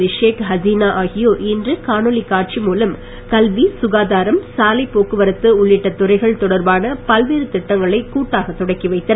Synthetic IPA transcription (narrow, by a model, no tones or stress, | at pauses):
ʋɪʂeːkɦɐziːnaːʔaːɣɪjoːʔɪndrɯkaːnoɭikaːʈ̚t͡ʃimuːlɐm | kɐlʋisʊɣaːðaːɾɐmsaːlɐɪpːoːkɯʋɐɾɯt̪ːɯʊɭːɪʈːɐt̪ːʊɾɐɪɣɐɭt̪ɔɽɐɾbaːnɐpɐlʋeːɾɯt̪ɪʈːɐŋɡɐɭɐɪkuːʈːaːɣɐt̪ːɔɽɐɪkːiʋɐɪt̪ːɐ